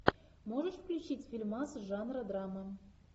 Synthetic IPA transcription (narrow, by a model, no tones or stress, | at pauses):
moʒə̆ʂfklʲut͡ɕitʲfʲilʲmɑsʒɑnrəd̪rɑmːə